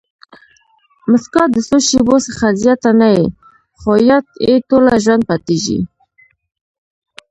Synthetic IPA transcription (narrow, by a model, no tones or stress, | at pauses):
məskɑd̪əsoʃebosəχazjɑt̪anaje | χojat̪et̪olaʒwand̪̚pat̪iʒḭ